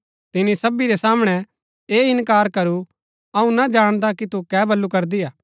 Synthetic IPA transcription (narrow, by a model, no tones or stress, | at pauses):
t̪ɪnːisɐbiɾɛsaːməɽ̃ɛ | eːɪnkaːɾkɐɾu | ɐũnad͡ʒaːɽ̃d̪akit̪ukɛːbʱɐlːukɐɾd̪ijaː